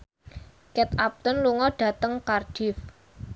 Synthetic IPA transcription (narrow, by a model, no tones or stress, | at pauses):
kɛt̪ap̚t̪ʊnluŋɔɖ̥ä̤t̪əŋkarɖ̥ɪ̤f